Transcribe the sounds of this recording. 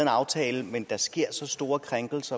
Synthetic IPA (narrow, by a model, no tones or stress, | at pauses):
enɑ̈ʊt͡sʰɛːləmend̥ɑ̈sɡ̥e̝ɐ̰sɒ̽sd̥o̝ːɐkʰʁaŋɡ̥l̩sɐ